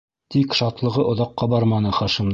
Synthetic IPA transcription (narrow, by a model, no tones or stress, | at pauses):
t̪ikʃɑt̪lˠɤ̆ʁɤʔŏðɑqːɑbɑɾmɑnɤχɑʃim